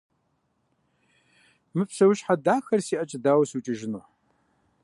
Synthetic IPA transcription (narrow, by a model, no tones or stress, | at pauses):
mɨpsɐwɕħadaːxɐrsiːʔɐt͡ʃʼɪdaːwɐsut͡ʃʼɪʒɪnuħ